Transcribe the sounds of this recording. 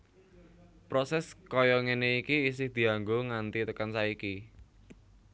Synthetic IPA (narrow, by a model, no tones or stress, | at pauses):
pɾɔsɛskɔjɔŋeneikiːs̬ɪhd̪̥i̤aŋɡoŋant̪it̪əkansaiki